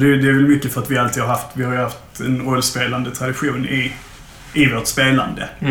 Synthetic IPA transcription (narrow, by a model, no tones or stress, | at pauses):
d̪ɛd̪ɛæɾvɛlmʏkːəfœɾat̪vɪalt̪iːd̪haɾhaft̪vɪhaɾjɵhaft̪ɛnɾɔlːspeːland̪ət̪ʰɾad̪ɪɧuːnɪ | ɪvoːʈspeːla̰nd̪ə